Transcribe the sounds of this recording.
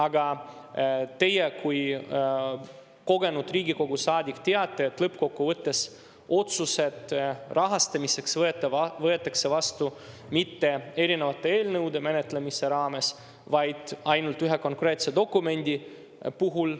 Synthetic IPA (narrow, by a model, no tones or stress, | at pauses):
ɑɡɑ | t̪e̞jekuj | ko̞ɡe̞nud̪riːɡiko̞ɡ̥usɑːd̪ʲikːt̪eɑt̪ːˑe̞ːt̪ːlɤpːko̞kːuvɤt̪ːe̞s | o̞t̪suse̞t̪rʔɑɦɑst̪ɑmise̞ksvet̪ːˑeɑvɤe̞t̪ːˑɑkse̞vɑst̪u | mit̪ːe̞e̞ɾinevɑt̪ːˑe̞e̞ːlnɤwd̪e̞me̞ne̞t̪lemise̞ɾɑːme̞s | vɑjd̪̥ɑjnult̪ˑːyɦe̞ko̞ŋkre̞ːt̪se̞d̪o̞kːume̞nʲd̪̥ʲi | puɦul